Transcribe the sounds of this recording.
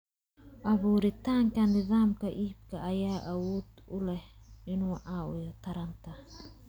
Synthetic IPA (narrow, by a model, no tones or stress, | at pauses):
aβuɾit̪aŋkanːiðamkaʔip̚kaajaʔawut̪ulɛhinuaʔaujot̪aɾant̪a